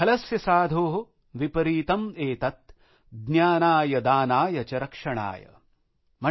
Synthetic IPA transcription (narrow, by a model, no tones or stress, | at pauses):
ɐlɐsjɐsaːd̪ʱoːɦo | ʋipɐɾiːt̪ɐmeːt̪ɐt̪̚ | ɡnjaːnaːjɐd̪aːnaːjɐt͡ʃɐɾɐkʂɐɳa̰ːjɐ̰ | mɐ